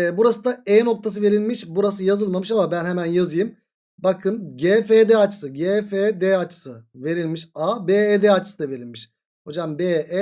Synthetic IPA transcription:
buɾasɯd̪aɛno̞k̚t̪ʰas̬ɯve̞ɾilʲmiʃbuɾas̬ɯjazɯlˠmamɯʃamabænhemænjazɯjɯm | bakʰɯnɟefed̪ɛat͡ʃʰɯ̥sɯɟefed̪eat͡ʃʰɯ̥sɯve̞ɾilʲmiʃabeed̪eat͡ʃʰɯ̥sɯd̪ave̞ɾilʲmiʃ | ho̞d͡ʒambeʔɛ

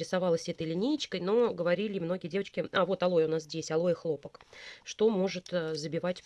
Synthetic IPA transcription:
ɾʲɪsavɑlˠəsʲɛt̪əjlʲɪnʲejt͡ɕkəjno̞ɡəvɐɾʲilʲɪmno̞ɡʲədʲe̞vət͡ɕkʲɪavo̞t̪ɐlˠo̞jʊnas̬zʲdʲesʲɐlˠo̞jɪxlˠo̞pəkʂt̪o̞mo̞ʐɨt̪ːzəbʲɪvatʲ

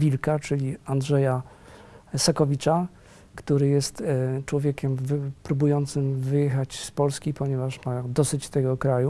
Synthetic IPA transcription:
vʲilkat͡ʂɘlʲiand̪ʐɛja | sakɔvʲit͡ʂa | kt̪uɾɘjɛst̪t͡ʂwɔvʲjɛkʲɛmvpɾubujɔnt̪sɘmvɘjɛxat͡ɕspɔlskʲipɔɲɛvaʂmad̪ɔsɘt͡ɕt̪ɛɡɔkɾaju

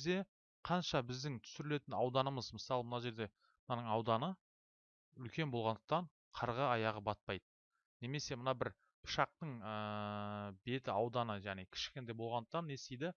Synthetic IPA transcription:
zd̪e̞ | qʰɑnʃɑbɪzd̪ɪŋt̪ʰʏ̥sʏɾɪle̞t̪ɪnɑwd̪ɑnəməzmɪsɑlˠəmənɑʒe̞ɾd̪e̞ | nɑnəɴɑwd̪ɑnə | ʏlkʲe̞nbo̞lˠʁɑnd̪əq̚t̪ɑɴ | qʰɑɾʁɑɑjɑʁəbɑt̪̚pɑjd̪ə | ne̞me̞se̞mənɑbɪɾ | pʰʊ̥ʃɑq̚t̪əɴə | be̞t̪ɪɑwd̪ɑnəʒæʁnejkʲʰɪ̥ʃkʲend̪ejbo̞lˠʁɑnd̪ə̥q̚t̪ɑnːesejd̪ɪ

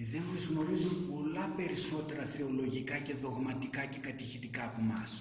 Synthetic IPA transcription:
ðe̞nmɐzɣno̞ɾizunpo̞lɐpe̞ɾiso̞t̪e̞ɾɐθeo̞lo̞ʝikɐce̞ðo̞ɣmɐt̪ikɐce̞kɐt̪içit̪ikɐːpomɐs

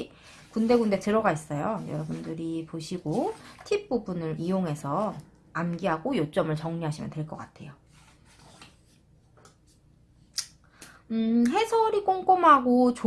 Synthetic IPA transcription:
kunde̞ɡunde̞tɯɾʌɡais͈ʌjojʌɾʌbundɯɾipoɕʰiɡotʰip̚p͈ubunɯɾʔijoŋɦe̞sʰʌ | amɡiɦaɡojot͡ɕ͈ʌmɯɭt͡ɕʌŋɲuɦaɕʰimjʌntwe̞ɭk͈ʌk͈atʰe̞̰jo | ɯɦe̞sʰʌɾik͈oŋk͈omɦaɡot͡ɕ

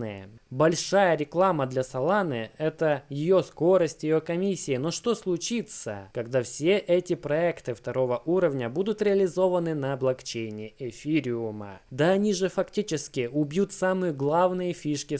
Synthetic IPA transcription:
ɨ̰jə̰bɐlʲʂajəɾʲɪklˠaməd̪lʲɐsɐlˠanɨɛt̪əjɪjosko̞ɾəsʲtʲjɪjo̞kɐmʲisʲːɪɪno̞ʂt̪o̞slˠʊt͡ɕit̪sə̰kɐɡd̪afsʲe̞ʔɛtʲɪpɾɐɛkt̪ɨft̪ɐɾo̞vəʔuɾəvnʲəbud̪ʊt̪ɾʲɪɐlʲɪzo̞vənɨnɐblˠɐkt͡ɕejnʲɪʔefʲiɾʲɪʊmə̰d̪əɐnʲiʐɨfɐktʲit͡ɕɪskʲɪʊbʲjut̪samɨjəɡlˠavnɨjəfʲiʂkʲɪ

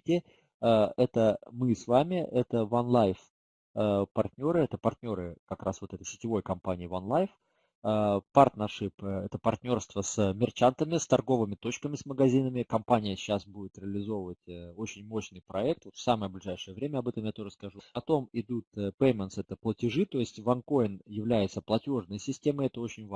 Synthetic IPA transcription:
tʲɪ | əɛt̪əmɨsvamʲɪʔɛt̪əvɐnlˠajf | pɐrt̪ʲnʲo̞ɾɨɛt̪əpɐrt̪ʲnʲo̞ɾɨkɐkɾʔa̰svot̪ɛt̪əjsʲɪ̥tʲɪvo̞jkɐmpanʲɪːvɐnlˠajf | əpart̪nɐʂɨpɛt̪əpɐrt̪ʲnʲo̞rst̪vəsəmʲɪrt͡ɕant̪əmʲɪst̪ɐrɡo̞vɨmʲɪt̪o̞t͡ɕkəmʲɪsməɡɐzʲinəmʲɪkɐmpanʲɪjəɕːasbudʲɪt̪ɾʲɪəːlʲɪzo̞vəvətʲəo̞t͡ɕɪnʲmo̞ɕnɨjpɾɐɛk̚t̪vo̞t̪fsaməjəblʲɪʐajʂɨjəvɾʲemʲəɐbɛt̪əmjat̪o̞ʐəskɐʐupɐt̪o̞mɪd̪ut̪pejmʲənt̪sɛt̪əplˠətʲɪʐɨt̪o̞jɪsʲtʲvɐnko̞ɪnjɪvlʲæjɪt̪səplˠɐtʲo̞ʐnəjəsʲɪsʲtʲe̞məɛt̪əo̞t͡ɕɪnʲv

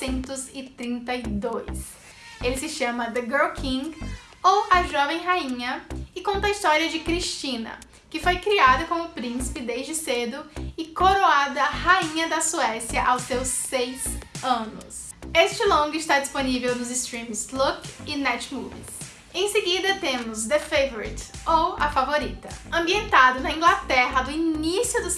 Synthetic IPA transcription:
sẽnt̪ʊzɪt̪ɾĩnt̪ɐid̪ojs | elɪsɪʃɐ̃mɐd̪ɪɡeɾkʰĩŋɡ | owɐʒɔvẽj̃ɦaĩɲɐɪkõnt̪ɐist̪ɔɾiɐd͡ʒɪkɾiʃt͡ʃĩnɐ̰ | kɪfojkɾiad̪ɐkõmʊpɾĩsi̥pɪd̪ejzd͡ʒɪsed̪ʊɪkoɾoad̪ɐhaĩɲɐd̪ɐsuɛsjɐʔawsewsejz̥ɐ̃nʊ̰s | est͡ʃɪlõɡʊɪst̪ad͡ʒisponivewnʊzɪst̪ɾĩmslokɪnɛt͡ʃmṵvḭs | ẽj̃sɪɡid̪ɐt̪ẽmʊzd̪efejvoɾḭt̪owɐfavoɾit̪ɐɐ̃mbiẽnt̪ad̪ʊnɐĩɡlat̪ɛɦɐd̪ʊinisjʊd̪ʊ

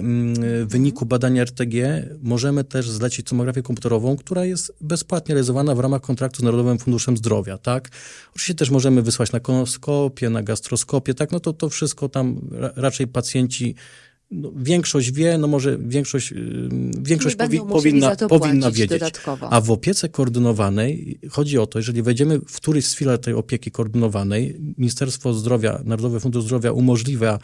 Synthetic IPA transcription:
vːɘɲikubad̪aɲaɛɾt̪ɛɡʲɛmɔʐɛmɘt̪ɛʐzlɛt͡ɕit̪ɔmɔɡɾafʲjɛkɔmpu̥t̪ɛɾɔvɔ̃w̃kt̪uɾajɛst̪bɛspwat̪̚ɲɛɾɛlʲizɔvanavɾamaxkɔnt̪ɾak̚t̪uznaɾɔd̪ɔvɘmfund̪uʂɛmzd̪ɾɔvʲja̰t̪akɔt͡ʃɨ̥viɕt͡ɕːɛt̪ɛʂ̬mɔʐɛmɘvɘswat͡ɕnakɔnɔskɔpʲjɛnaɡast̪ɾɔskɔpʲjɛt̪aknɔt̪ɔt̪ɔfʂɘst̪̚kɔt̪amɾa̰ɾat͡ʂɛjpat̪sʲjɛɲt͡ɕi | nɔvʲjɛŋkʂɔɕd͡ʑvʲjɛnɔmɔʐɛvʲjɛŋkʂɔɕt͡ɕ | vʲjɛŋkʂɔt͡ɕpipɔvʲinːapɔinːavjed͡ʑed̪t͡ɕt̪kɔv̰avɔpʲjɛt̪sɛkɔːɾd̪ɘnɔvanɛjxɔd͡ʑiɔt̪ɔjɛʐɛlʲivɛjd͡ʑɛmɘfkt̪uɾɘɕsfʲilaɾt̪ɛjɔ̰pʲjekʲikɔːɾd̪ɘnɔvanɛjmʲiɲist̪ɛɾst̪fɔzd̪ɾɔvʲja̰naɾɔd̪ɔvɘfund̪uʐzd̪ɾɔvʲjaʔumɔʐlʲivʲja

